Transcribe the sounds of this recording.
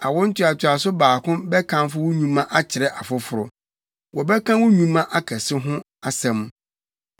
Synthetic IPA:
a˨wʊ̃˦n̩˦tʰɪ˦a˨t͡ɕʰɪ˨a˨s̬ʊ˦baː˨kʊ̃˦bɛ˦kʰã˦m˦fʊ˦wʊ˦ɲũ˦mã˦ʔa˦t͡ɕʰɪ˨ɾɛ˦ʔa˨fʊ˦fʊ˨ɾʊ˨ | wɔ˨bɛ˦kʰã˦wʊ˦ɲũ˦mã˦ʔa˦kʰɛ˨sɪ˦ɦʊ̃˦ | a˨sɛ̃˨m˦

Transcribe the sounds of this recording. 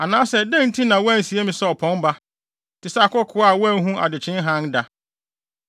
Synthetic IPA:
a˨nãː˦sɛ˦dẽ˦n̩˦tʰĩ˦nã˨wɔ˦æ˦˨n̩˨si˨e˦mĩ˨sɛ˦ɔ˨pʰɔ̃˦n˦ba˦ | tʰɪ˨sa˦a˨kɔ˦kʰʊ˨˦a˦˨wɔ˦æ˦˨˦ɦũ˦ʔa̰˨dɪ˨t͡ɕʰɪ̃˦n˦ɦã˦nda˨

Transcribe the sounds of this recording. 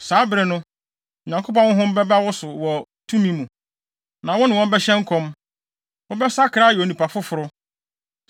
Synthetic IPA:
saː˨˦bɾɛ˨nʊ̃˦˨ | ɲã˨ŋkʰo˦pɔ̃˦nwʊ̃˦ɦʊ̃˦m̩˦bɛ˦ba˦wʊ˦sʊ˨wɔ˨ | tʰũ˦mĩ˦mũ˨ | nã˨wɔ̃˦nɪ̃˨wɔ̃˦m˦bɛ˦ɕɛ̃˦ŋ̩˦kʰɔ̃˦m | wɔ̃˦bɛ˦sa˦kʰɾa˦jnĩ˨pʰa˨fʊ˦fʊ˨ɾʊ˦

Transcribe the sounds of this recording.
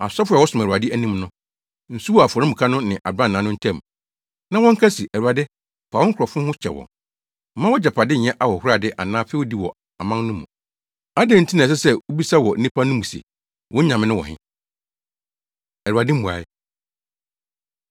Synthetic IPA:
a˨sɔ˦fa˨wɔ˦sʊ̃˨m˨ɾu˨a˨dɪ˦æ˦nĩ˦mnʊ̃˦ | n̩˨su˦wɔ˦˨a˨fɔ˨ɾɪ̃˦mu˨kʰa˦nʊ̃˦nɪ̃˨ʔa˨bã˦˨nːãː˨˦nʊ̃˦n̩˦tʰɛ̃˦˨m˨ | nã˦wɔ̃˦ŋ̩˦kʰa˦si˨ʔæ˨u˨a˨dɪ˦ | faː˨wɔ̃˦ŋ̩˦kʰɾɔ˨fʊ̃˦hʊ̃˦t͡ɕʰɛ̰˨wɔ̰̃˨n | m̩˦mã˦wɔ˦d͡ʑɛ˨pʰa˨dɪ˦ɲ̩˨ɲɛ̃˦ʔa˨wɔ˨hʊ˦ɾa˨dɪ˦ʔa˨nãː˦fɛ˦wo˦di˦wɔ˨ | a˨mã˦ŋnʊ̃˦mũ˨ | a˦dẽ˦˨n̩˦tʰi˦nã˨s̬ɛ˦sɛ˦wo˦bi˦sa˦wɔ˨n̩˦nĩ˦pʰa˦nʊ̃˦mũ˨sḛ˨ | wɔ̃˦ɲã˨mɪ̃˦nʊ̃˦wɔ̰̃˨hɪ̰̃˦ | ɛ˨u˨a˨dɪ˦mũ˨a̰˨ɪ˦

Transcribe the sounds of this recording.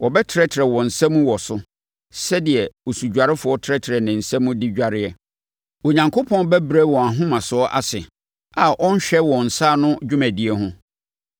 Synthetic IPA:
wɔ˨bɛ˦tʰɪ˨ɾɛ˦tʰɪ˨ɾɛ˨wɔ̃˨n̩˨sɛ̃˦mũ˦wɔ˨sʊ˦ | sɛ˦dɪ˨ɛ˨wo˨su˨d͡ʑᶣa˨ɾɪ˦fʊ˨˦ɔ˦tʰɾɛ˦tʰɪ˨ɾɛ˨nɪ̃˨n̩˨sɛ̃˦mũ˦dɪ˦d͡ʑᶣa˨ɾɪ˦ɛ˨ | o˨ɲã˨ŋkʰo˦pʰɔ̃˦n˦bɛ˦bɾɛ˦wɔ̃˨a˨ɦʊ̃˦mã˨sʊ˨˦ɔ˦ʔa̰˦sɪ˨ | a˨ʔɔ̃˦n˦ɕᶣɛ˦wɔ̃˨n̩˨saː˦˨nʊ̃˦d͡ʑᶣʊ˦mæ̃˨di˨˦ɛ˦ɦʊ̃˦

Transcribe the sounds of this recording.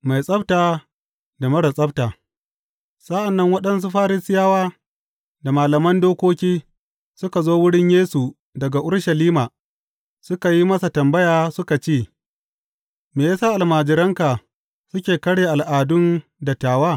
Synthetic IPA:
ma˨jsʼɐ˦btaː˨ | da˨mɐ˦ɽɐ˨sʼɐ˦btaː˨ | sʼa˦ʔa˨nːɐ˦ŋwɐ˦ɗɐ˦ns̬u˦ɸaː˦ɾɪ˦sɪ˦jaː˦waː˦ | da˨maː˨lɐ˨mɐ˦ndoː˦kʷoː˦kʲiː˦ | sʊ˦ka˨zoː˦wʊ˦ɽɪ˦ɲjeː˦su˨ | dɐ˨ɡa˨ʔʊ˦ɽʃɐ˨liː˦maː˨ | sʊ˦ka˨ji˦mɐ˦sa˨tɐ˨mbɐ˦jaː˦sʊ˦ka˨t͡ʃeː˦˨ | meː˨jaː˦saː˦ʔa˨lmaː˨d͡ʒɪ˨ɾɐ˦ŋka˨ | sʊ˦kʲeː˨kɐ˦ɽjeː˨ʔa˨lʔaː˨dʊ˦nda˨taː˨waː˦˨

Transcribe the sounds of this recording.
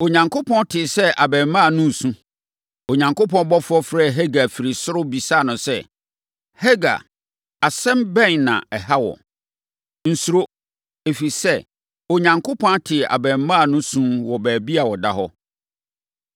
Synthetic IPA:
o˨ɲã˨ŋkʰo˦pʰɔ̃˦ntʰɪ˨sɛ˦ʔa˨bɛ̃˨m˨mːã˦˨nʊ̃˦n̩˨sũ˦ | o˨ɲã˨ŋko˦pʰɔ̃˦n˦bɔ˦fʊ˦ɔ˦fɾɛ˦˨ɦɛ˦ɡa˨fi˨ɾi˨sʊ˦ɾʊ˦bi˨sa˦˨nʊ̃˨sɛ˦˨ | hɛ˦ɡa̰˨ | a˨sɛ̃˦mbɛ̃˦˨nnã̰˨ɛ˨ha˦wɔ̰˨ | n̩˨su˨ɾo˦ | e˨fi˨sɛ˦˨ | o˨ɲã˨ŋkʰo˦pʰɔ̃˦ntʰɪ˨a̰˨bɛ̃˨m˦mã˦˨nʊ̃˦sũ˦mwɔ˨bæː˨bi˦a˨wɔ˨da̰˦ɦɔ˦

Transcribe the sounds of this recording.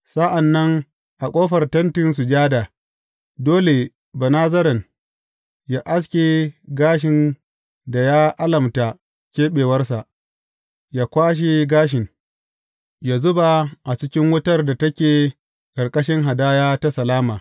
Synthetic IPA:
sa˦ʔa˨nːɐ˦ŋ | ʔa˨kʷʼoː˦ɸɐ˨rtɐ˦ntɪ˨ns̬u˨d͡ʒaː˦da˨ | doː˦le˨ | ba˨naː˦zɐ˦ɾɐ˨n | jaː˦ʔa˦s̬kʲeː˨ɡaː˦ʃɪ˨n | da˨jaː˦ʔa˦lɐ˨mta˨ | kʲeː˦ɓeː˨wɐ˦rsa˨ʔ | jaː˦kʷaː˦ʃ̬e˨ɡaː˦ʃ̬ɪ˨n | ja˨zʊ˦ba˨ʔa˨t͡ʃɪ˦kʲɪ˦ŋwʊ˦tɐ˦rda˨tɐ˦kʲeː˨ | kʼɐ˨ɽkʼɐ˦ʃɪ˦ŋɦa˨daː˦jaː˦ta˦sɐ˨laː˦maː˨

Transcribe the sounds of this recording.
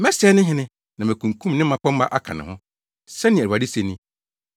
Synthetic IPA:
mɛ˦sɛ˦nɪ̃˦ɦɪ̃˨˦nɪ̃˦ | nã˨mæ̃˨kʰũ˨kʰũ˦m˨nɪ̃˦ã˦k͡pã˦m̩˦a˦ʔa˦kʰã̰˨nɪ̰̃˨hʊ̃˦ | sɛ˦nɪ̃˨a˨di˦se˨nĩ˦

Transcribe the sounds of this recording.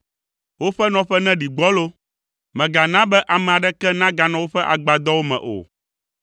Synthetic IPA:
wo˦ɸɛ˦nɔ̃˨ɸɛ˦nɛ̃˦ɖi˨ɡ͡bɔ˦lo˦ | mɛ̃˨ɡa˨nã˦bɛ˦ʔa˨mɛ̃˨a˨ɖɛ˦kɛ˦nã˦ɡa˨nã˨wo˦ɸɛ˦ʔa˨ɡ͡ba˨d̪ɔ˦wo˦mɛ̰̃˨ʔo̰˨

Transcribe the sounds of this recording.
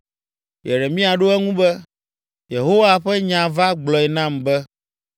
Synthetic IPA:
jɛ˨ɖɛ˨mĩ˦a˨ɖo˦ɛ˦ŋũ˦bɛ˦ | je˨ɦo˦wa˦ɸɛ˦ɲã˨va˦ɡ͡blɔ˨ɛ˨nã˦mbɛ˦

